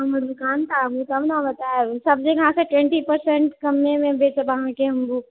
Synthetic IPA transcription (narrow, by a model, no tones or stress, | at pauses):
ɐmɐɾʊkaːnt̪aːɡut̪ɐbnabɐt̪aesɐbd͡ʒekɐɦãseʈwɛ̃ɳʈipɐɾsɛ̃ɳʈkɐmːemẽbeːt͡ʃbɐɦãkeɦɐmbuː